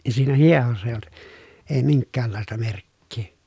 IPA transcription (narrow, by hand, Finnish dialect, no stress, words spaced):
jɑ siːnæ hiehosːɑ eˑĭj olt eː miŋkːæːlːɑˑestɑ merkːiː